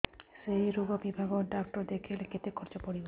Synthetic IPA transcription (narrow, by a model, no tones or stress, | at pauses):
sejɾuɡɔbibʱaɡɔɖak̚ʈɔɾd̪ekʰeleket̪ekʰːɔɾt͡ʃɔpɔɽibɔ